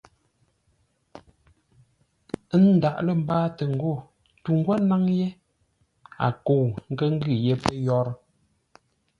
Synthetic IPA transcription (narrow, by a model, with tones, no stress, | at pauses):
n̩˦da˨ʔlə˦˨m̩˦baː˦tə˨ŋ̩˨ɡo˦˨ | tu˨ŋ˦ɡwa˦na˦ŋje˦ | a̰˨ko˨wŋ̩˦kə˦ŋ̩˦ɡɯ˦˨je˦pə˦jɔ˦ɾ